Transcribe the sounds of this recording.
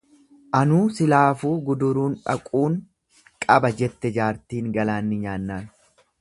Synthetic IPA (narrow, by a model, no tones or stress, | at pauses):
ʔɐnuːsɪlaːfuːɡʊd̪ʊɾuːnᶑɐ̰kʼuːŋ | kʼɐbɐd͡ʒɛt̪ːɛd͡ʒaːɾt̪iːŋɡɐlaːnːɪɲaːnːaːn